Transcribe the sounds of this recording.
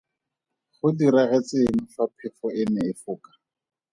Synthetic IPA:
χʊdiɾaɣɛt͡sɪŋ̩ɬwapʰɪfɔɪnɛɪfʊːkḁ

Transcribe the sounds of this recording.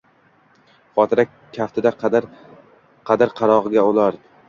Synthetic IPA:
χɒt̪ʰɪɾa | kʲʰːaft̪ʰɪd̪a | qʰɑd̪ɪɾqʰɑɾɒʁɨɡʲaolˠaɾd̪ɪ

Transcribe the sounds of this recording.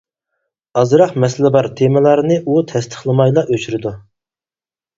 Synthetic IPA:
ɑzɾɑχmɛsɪlɪbɑɾt̪ʰemɪlˠɑɾnɨʔut̪ʰɛst̪ʰə̥χlˠɨmɑjlˠɑʔøt͡ʃʰyɾɪd̪u

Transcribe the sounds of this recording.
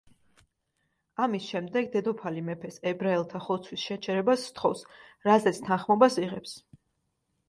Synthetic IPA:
amisʃɛmd̪ɛɡd̪ɛd̪ɔpʰalimɛpʰɛsɛbɾaɛlˠt̪ʰaχɔt̪sʰwisʃɛt͡ʃʰɛɾɛbasːt̪ʰχɔfsɾazɛt̪sʰt̪ʰanχmɔbasiʁɛps

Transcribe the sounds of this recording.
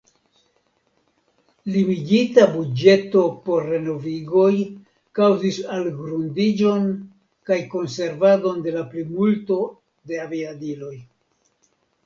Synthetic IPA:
limiɡitabud͡ʒe̞to̞po̞ɾːe̞no̞viɡo̞j | kawzisalɡɾundid͡ʒo̞n | kajko̞nse̞ɾvado̞nde̞laplimulto̞ | de̞aviadilo̞j

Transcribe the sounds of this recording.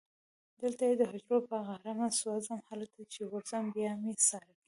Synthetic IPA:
d̪əlt̪ajed̪əɦʊd͡ʒɾopəɣahɾamaswazamhalak̚d̪at͡ʃeɣʊɾzambjɑmesɑɾaki

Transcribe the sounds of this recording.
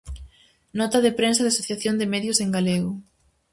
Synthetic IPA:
nɔt̪ɐðɪpɾensɐðeasoθjaθjond̪ɪmɛðjʊseŋɡaleɣʊ

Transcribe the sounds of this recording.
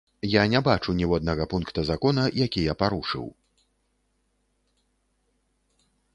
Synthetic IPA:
janʲɛbat͡ʂunʲivɔd̪nɐɣɐpunkt̪ɐzakɔnɐjakʲijapaɾuʂɨ̰w

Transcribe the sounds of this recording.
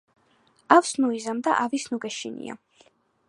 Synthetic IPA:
afsnuizamd̪a̰ʔavisnuɡɛʃinḭa̰

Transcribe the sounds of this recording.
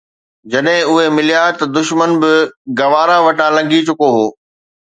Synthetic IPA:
d͡ʑɐɗɦɪ̃ʊɦemɪlijat̪ɐd̪ʊʃmənbɪɡɐʋaːɾãʋɐʈãlɐ̃ŋɡit͡ɕʊkoɦoː

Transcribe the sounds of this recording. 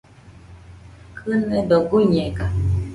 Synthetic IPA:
kʰɨnɛdɔɡuɲɛɡa

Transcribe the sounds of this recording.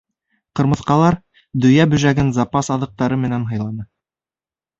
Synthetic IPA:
qɤ̆ɾmɤ̆θqɑlˠɑɾ | d̪ɵ̆jæbɵ̆ʒæɡɘnzɑpɑsɑðɤ̆q̚t̪ɑɾɤmɘ̆nænɦɤ̆jlˠɑnɤ

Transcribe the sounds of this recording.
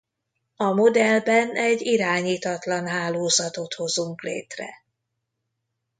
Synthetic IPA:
ɒmo̞d̪ɛlbɛnɛɟiɾaːɲiːt̪ɒt̪lɒnɦaːloːzɒt̪o̞t̪ho̞zuŋklḛːt̪rɛ̰

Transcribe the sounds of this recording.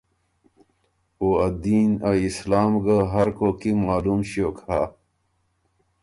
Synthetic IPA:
oːɐd̪iːnɐislaːmɡaɦɐɾkokimaːlumɕiokaː

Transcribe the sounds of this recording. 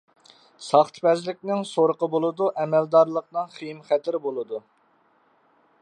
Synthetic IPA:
sɑχt̪ʰpɛzlɪkʲnɪŋsoɾəqəbolˠɨd̪uʔɛmɛld̪ɑɾlˠəq̚nɨŋχijmχɛt̪ʰɪɾbolˠɨd̪u

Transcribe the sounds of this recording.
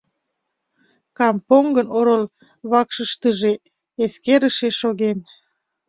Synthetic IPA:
kɑmpoŋɡənoɾol | βɑkʃəʃt̪əʒe | eskeɾəʃeʃoɣen

